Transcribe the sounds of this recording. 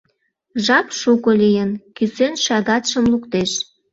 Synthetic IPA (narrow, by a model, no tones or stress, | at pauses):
ʒɑpʃukolijənkysenʃɑɣɑt̪ʃə̆mlukt̪eʃ